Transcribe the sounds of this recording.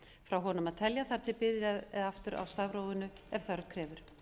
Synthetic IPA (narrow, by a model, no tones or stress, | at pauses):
fɾawɦɔnʏmaðt̪ʰɛljaθaɾ̥t̪ʰɪlpɪðɾjaaft̪ʏɾʔa̰wst̪avɾoːwɪnʏɛv̥θœɾkʰɾɛːvʏɾ̥